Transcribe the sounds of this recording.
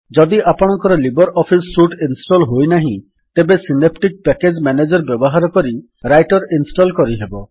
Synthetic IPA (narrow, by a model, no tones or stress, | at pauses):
d͡ʒɔd̪iʔapɔɽ̃ɔŋkɔɾɔlibɔɾʔɔpʰisːuʈinsʈɔlɦojnaɦĩ | t̪ebesinep̚ʈik̚pɛked͡ʒmɛned͡ʒɔɾbjɔbɔɦaɾɔkɔɾi | ɾajʈɔɾinsʈɔlkɔɾiɦebɔ